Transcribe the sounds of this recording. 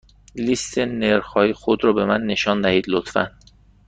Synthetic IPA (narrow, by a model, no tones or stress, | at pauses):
list̪ʰeneɾxɒːjixod̪ɾɒːbe̞mænːe̞ʃɒːnd̪æhiːd̪lot̪fæ̰n